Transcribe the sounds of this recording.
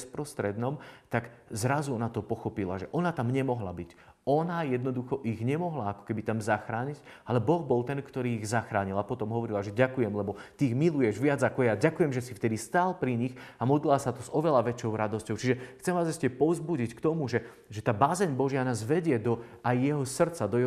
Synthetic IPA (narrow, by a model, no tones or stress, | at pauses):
spɾɔst̪ɾɛd̪nɔmt̪aɡzɾazuɔnat̪ɔpɔxɔpila̰ʒɛʔɔnat̪amɲɛmɔɦla̰bic | ɔnajɛd̪nɔd̪uxɔʔiɣɲɛmɔɦlaːkɔ̥kɛbit̪amzaxɾaːɲiɟalɛbɔɣbɔlˠt̪ɛnkt̪ɔɾiːɣzaxɾaːɲilapɔt̪ɔmɦɔʋɔɾilaʒɛɟakujɛmlɛbɔt̪iːɣmilujɛʒʋɪad͡zakɔjaɟakujɛmʒɛsift̪ɛd̪ist̪aːlpɾiɲiɣamɔd̪lilasat̪ɔzɔʋɛlaʋɛt͡ʃɔʊɾad̪ɔscɔʊt͡ʃiʒɛxt͡sɛmʋaːzɛscɛpɔʊzbuɟickt̪ɔmuʒɛ | ʒɛt̪aːbazɛɲbɔʒɪanaːzʋɛɟɪɛd̪ɔajːɛɦɔsr̩t̪t͡sad̪ɔjɛ